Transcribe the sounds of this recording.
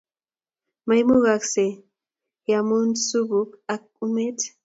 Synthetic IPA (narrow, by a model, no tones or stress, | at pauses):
majmʊɢɑkse | jamʊnsʊbʊkak̚ː | ʊmet